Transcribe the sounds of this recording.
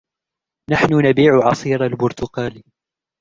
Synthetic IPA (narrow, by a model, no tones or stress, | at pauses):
naħnʊnabiːʕʊʕɑsˤiːɾalbʊɾt̪ʊqɑːl